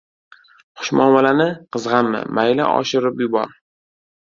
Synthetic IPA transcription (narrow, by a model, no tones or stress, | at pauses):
χʊ̥ʃmɒnwalanɪqʰɨzʁɑnmɪ̰majla̰ʔɒ̰ʃɪɾɪpjʊbɒ̰ɾ